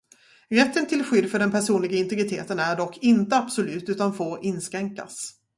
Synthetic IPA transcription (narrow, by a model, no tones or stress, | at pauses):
ɾɛt̪ːənt̪ʰɪlɧʏd̪ːfœɖɛnpʰæʂuːnlɪɡaɪnt̪ɪɡɾɪt̪ʰḛːt̪ənæɖɔkːɪnt̪əabsɔlʉ̟ːt̪ʉ̟ːt̪anfoːɾʔɪnskɾɛŋka̰s